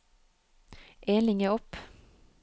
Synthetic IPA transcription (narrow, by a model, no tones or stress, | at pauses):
ʔeːnɪŋəɔpː